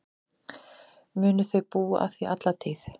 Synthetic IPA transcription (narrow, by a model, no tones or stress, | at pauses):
mʏːnʏθœɥpuːaʔa̰θviʔat̪lat̪ʰiːθ